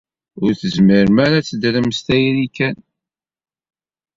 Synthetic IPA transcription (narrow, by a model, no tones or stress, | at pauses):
ʊɾθəzmiɾmæɾæt͡sːd̪ləmst̪æjɾikæn